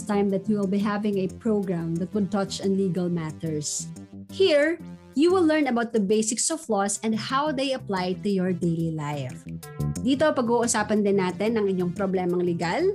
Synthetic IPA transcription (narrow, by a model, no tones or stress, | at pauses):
t̪ãjmd̪ɐt̪juwɪlˠbiɦævɪ̃ŋɐpɹoʊɡɹamd̪ɐt̪̚wʊd̪̚t̪ɐt͡ʃɐ̃nliɡɐlmat̪ɛɹshiɹ | juwɪlˠːɛɹnɐbawt̪̚d̪ɐbejsɪksɔvlɔsɛ̃nd̪hawðejɐplajt̪ʊjɔɹd̪ejlilajf | d̪iːt̪opɐɡuʔʊsaːpɐnd̪ɪnːaːt̪ɪnɐŋɪɲjoŋpɾoblɛmɐŋlɛɡal